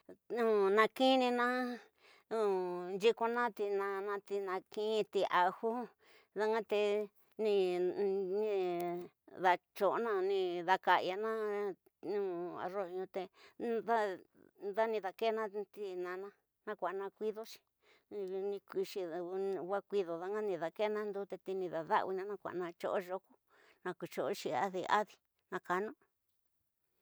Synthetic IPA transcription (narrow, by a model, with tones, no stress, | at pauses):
nũ˦nã˧ki˦nĩ˧nã˦ | ũ˨˧nd͡ʒi˦ko˧nã˦t̪i˧nã˧nã˧t̪i˧nã˧kĩ˦˧t̪i˧ʔa˧hu˦ | ða˦˧ŋã˦t̪e˧ | nĩ˧ | nĩ˦ | ða˧t͡ʃo˧˨ʔnã˦nĩ˧ða˧ka˧˨˧ja˧nã˦ | nũː˦a̰˧ro˧ɲũ˧t̪e˧ða˦ | ða˦nĩ˧ða˧ke˦nã˦t̪i˦nã˧nã˦ | nã˦kʷa˨˧nã˧kʷi˦ðo˦t͡ʃi̥˧˨˧ | nĩ˧kʷi˧ʃi˧wa˦kʷi˧ðo˨ða˧˦ŋa˦nĩ˧ða˨ke˦nã˦nd̪u˧˦t̪e˧t̪i˧nĩ˧ða˨ða̰˦ʔβi˧nã˧nã˦kʷa̰˨nã˧t͡ʃo̰˧ʔo˦ʒo˧ku̥˦ | nã˧ku˨t͡ʃo˨o˦t͡ʃi˧a̰˦ði˧a̰˦ði˧ | nã˧ka˧nũ˦